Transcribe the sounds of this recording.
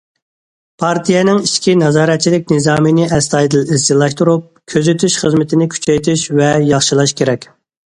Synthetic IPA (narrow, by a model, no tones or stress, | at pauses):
pʰɑɾt̪ʰijɛnɪŋiʃkʲʰinɑzɑːɾɛt̪̚t͡ʃʰilɪk̚ʲnɨzɑːmɨnɪʔɛst̪ɑjd̪ɨlisɪlˠɑʃt̪uɾup̚kʲʰøzyt̪ʰyʃχəzmɪt̪ʰɪnɪkʲʰy̥t͡ʃʰɛjt̪ʰyʃvɛjɑχʃilˠɑʃkʲʰeɾɛkʲ